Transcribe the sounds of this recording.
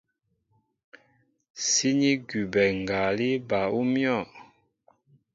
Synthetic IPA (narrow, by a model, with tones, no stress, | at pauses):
si˦ɲi˦ɡu˨bɛ˨ŋ˨ɡa˨li˦ba˨u˦mjɔ˦˨